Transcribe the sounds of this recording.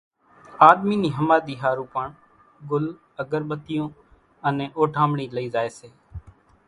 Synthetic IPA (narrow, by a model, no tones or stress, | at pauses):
aːɗ̪miːniːɦəmaːd̪iːɦaːɾũːpəɳ | ɡʊl | əɡəɾɓət̪ɪjõː | ənẽːʔoːʈʰaːmɳiːləiːzaːeːseː